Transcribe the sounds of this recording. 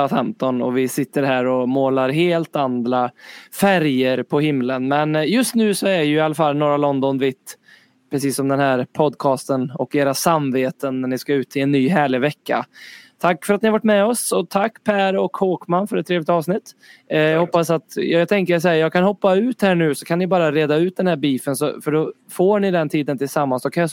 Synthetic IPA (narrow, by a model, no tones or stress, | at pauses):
fɛmt̪ɔnɔ̰vɪsɪt̪ːəɾhæːɾɔmoːlaɾɦeːlt̪and̪ɾafæɾjəɾpʰɔhɪmlənmɛnjɵst̪nʉ̟ːsɔæɖjɵɪalafalːnoːɾalɔnd̪ɔnvɪt̪ː | pʰɾɛsiːsːɔmd̪ɛnhæɾpʰɔd̪kʰɑːst̪ənɔkeːɾasamveːt̪ənːæɳɪskaʉ̟ːt̪ʰɪlɛnːyːɦæːɭɪvɛkːa̰t̪ʰakːfœɾat̪nɪhavaʈːmɛɔsɔt̪ʰakːpʰæːɾɔkhoːkmanfœɾɛt̪ʰːɾeːvlɪt̪ɑːvsnɪt̪ːjɑɡhɔpːasat̪jt̪ʰɛŋkəs̬ɔhæːjɑːɡkʰanhɔpːaʉ̟ːt̪hæːɳʉ̟ːsɔkʰanːɪbɑːɾaɾeːd̪aʉ̟ːt̪̚d̪ɛnhæːɾbiːfənsɔ̰fœɖɔ | foːɳɪd̪ɛnt̪ʰiːd̪ənt̪ʰɪlsamːansd̪ɔkʰanja